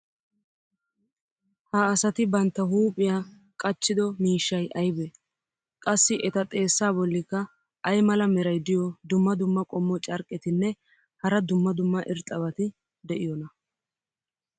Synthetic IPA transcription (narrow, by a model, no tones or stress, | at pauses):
hɐːsɐt̪ɪbɐnt̪ːɐɦuːpʼːɪjaː | kʼɐt͡ʃːɪd̪ɔmiːʃːɐjʔɐjbɛ | kʼɐsːɪʔɛt̪ɐt̪ʼe̞ːsːaːbɔlːɪkːɐ | ʔɐjmɐlɐmɛɾɐjd̪ɪjɔd̪ʊmːɐd̪ʊmːɐkʼɔmːɔt͡ʃʼɐɾkʼːɪt̪ɪnːɛ | hɐɾɐd̪ʊmːɐd̪ʊmːɐʔɪɾt̪ʼːɐβɐt̪ɪ | d̪ɛʔɪjɔnɐ